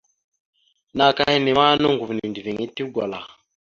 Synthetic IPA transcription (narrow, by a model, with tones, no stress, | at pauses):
na˨ka˦hi˦ni˨ma˦no˦ŋɡu˨vni˨ndi˨vi˨ŋi˦ti˦ɡʷa̰˨la̰˨